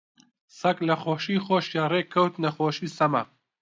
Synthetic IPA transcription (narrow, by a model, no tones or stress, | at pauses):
sɐklɐxoːʃiːxoːʃjaːreːkʰɐwt̪nɐxoːʃiːsɐmɐ̰